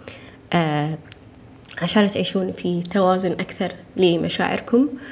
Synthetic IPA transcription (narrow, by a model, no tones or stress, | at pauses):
ʔ | ʕaʃaːnt̪ʕiːʃuːnfit̪awaːzʊnʔakθɑɾˤlimʔaʃa̰ːʕɪ̰ɾkʊm